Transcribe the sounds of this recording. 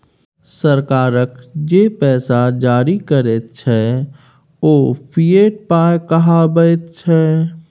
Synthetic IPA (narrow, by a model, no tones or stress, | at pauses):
səɾkaːɾəkd͡ʒeːpɛːsad͡ʒaːɾikəɾet̪̚t͡ʃʰɛ | oːpʰijeːʈ̚paːjkəɦabəet̪̚t͡ʃʰɛ